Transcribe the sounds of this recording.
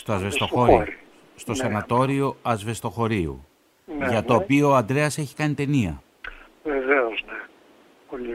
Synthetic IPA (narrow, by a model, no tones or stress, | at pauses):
st̪oɐzvesooɾi | st̪o̞senɐt̪o̞ɾio̞ɐzve̞st̪o̞xo̞ɾiṵ | ʝɐt̪o̞ːpio̞ːɐnd̪ɾe̞ɐse̞çi̥kɐnit̪e̞niɐ̰ | veveozne | poli